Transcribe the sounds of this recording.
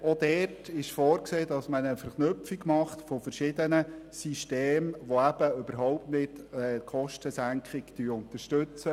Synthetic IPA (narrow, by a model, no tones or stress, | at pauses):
odɛtɪʃfɔːɾkseːd̥ɑsmənəfəɾχnʏpfiɡmɑχtfofəɾʃɪdənəsiʃteːmʋoæb̥əʏb̥əɾɦɔʊp̚tnɪtɛkʰɔʃtəsæŋkχɪɡd̥yʊntəɾʃtɵt͡sə